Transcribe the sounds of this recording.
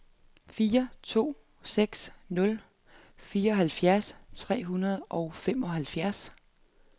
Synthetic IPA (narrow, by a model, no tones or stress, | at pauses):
fiːɐt͡sʰo̝̰ː | seɡ̥snɔ̽l | fiːɐɒ̽ɦælfjæɐst͡sʰʁɛ̰ːɦunɐð̞ˠʔɒ̽ʊfemɒ̽ɦælfjæɐs